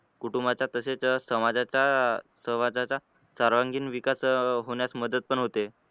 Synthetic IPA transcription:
kuʈumbat͡ɕjat̪əset͡ssəmad͡zat͡ɕasəʋad͡zat͡sa | saɾʋaŋɡiːnʋikasɦoɳjat͡sməd̪əd̪̚pəɳɦot̪e

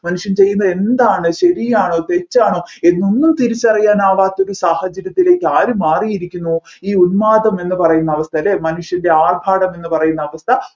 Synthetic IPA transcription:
mɐnuʂjɐmt͡ɕe̞jːunːɐðe̞nd̪aːɳɨɕɐɾijaːɳoːt̪e̞t͡ɕːaːɳoːeðnonːumt̪iɾit͡ɕːɐrijːaːnaːʋaːt̪ːoɾusaːhɐd͡ʑɐɾjɐt̪ːile̞ːkʲːaːɾumaːrijiɾikʲːunːu | iːunmaːd̪ɐme̞nːɨpɐrɐjunːɐɐʋɐst̪ʰɐlemɐnuʂjɐnde̞aːrbʱaːɽɐme̞nːɨpɐrɐjunːɐːʋɐst̪ʰɐ

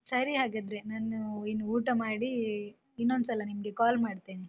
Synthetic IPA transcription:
sɐɾiɦaːɡad̪ɾenaːnuinːuuːʈɐmaːɽi | inːond̪usɐlːɐnimɐɡe̞kaːlmaːɖt̪iːni

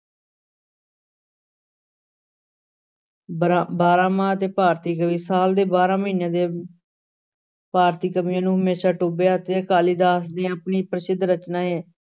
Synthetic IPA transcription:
baːɾãːmãːət̪eːpaːɾt̪iːkəʋiːsaːld̪eːbaːɾãːməiːnãːd̪eː | paːɾt̪iːkəʋiːãːnũːɦəmeːsaːʈoːbjaːət̪eːəkaːliːd̪aːs̬d̪eːəpniːpɾəsɪd̪ʱːɾət͡ʃnaːɦeː

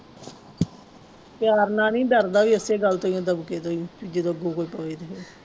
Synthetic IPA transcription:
pjaːɾnãːnĩːd̪əɾd̪aːʋiːəseːɡəlt̪oːjõːd̪əbkeːt̪oːjõːt͡ʃiːd͡ʒeːd̪oɡoːkoːiːpəʋiːd̪aːɦeː

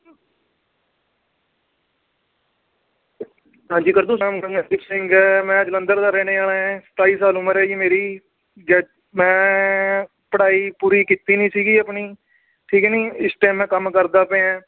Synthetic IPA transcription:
ɦãːɲd͡ʒiːkəɾd̪ũːsaːmɡəŋɛt̪ɪpsɪ̃ŋɡɛːmɛ̃ːəd͡ʒlənd̪əɾd̪aːɾɛːnẽːaːlãːsə̥t̪aːiːsaːlʊməɾɛːd͡ʒiːmeːɾiː | d͡ʒɛː | mɛ̃ː | pəɽaːiːpuːɾiːkit̪ːiːnĩːsiːɡiːəpniː | ʈʰiːkɛnĩːɪsʈeːmɛ̃ːkəmkəɾd̪aːpẽːɛ̃ː

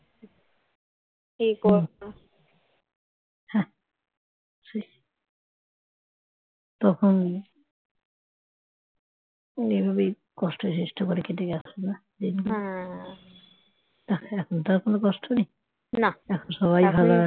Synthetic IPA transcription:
ikɔ | hɛ̃ | si | t̪ɔkʰon | nibʱabe | kɔsʈʰosisʈʰokɔɾeketekasena | d̪in | t̪aɛkʰont̪aɾkonokɔsʈʰoni | naɛkʰonʃɔβajbʱala

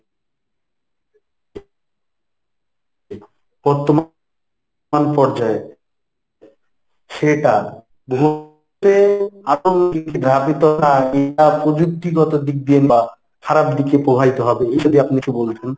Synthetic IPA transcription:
b̥ɔɾt̪om | anpɔɾd͡ʑae | ʃeʈa | boɦu | t̪eaonkekid̪ʱɾabit̪onaeapɾod͡ʑuk̚t̪iɡɔt̪od̪ik̚d̪ienba | kʰaɾab̚d̪ikepɾobʱait̪oɦɔbeed͡ʒod̪iapnikebolt̪ʰen

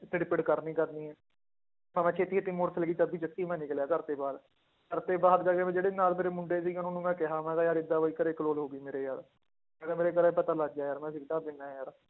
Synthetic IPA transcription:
ʈ̪ɪɽɪpɪʈkəɾnĩːkəɾniːɛː | pəmɛ̃ːt͡ʃʰeːt̪ːiːt̪ːiːmoːɾsəlɡiːt͡ʃəbiːt͡ʃət̪ːiːmɛ̃ːnɪkljaːkəɾt̪eːbaːd̪ | kəɾt̪eːbaːd̪d͡ʒaːɡeːmɛ̃ːd͡ʒeːɽeːnaːlmeːɾeːmʊɳɖeːs̬iːkɪʊnonũːmɛ̃ːkɪɦãːmɛ̃ːɡ̪aːjaːɾɪd̪ːaːʋoːiːkəɾeːkəloːlɦoːɡiːmeːɾeːjaːɾ | ɛːnaːmeːɾeːk̬əɾɛːpət̪aːlaɡd͡ʒaːjaːɾmɛ̃ːs̬ɪkd̪aːb̪ɪnːaːjaːɾ

